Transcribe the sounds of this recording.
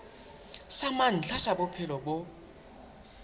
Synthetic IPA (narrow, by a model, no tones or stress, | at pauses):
saman̩t͡ɬʰaʃabʊpʰɛlɔbo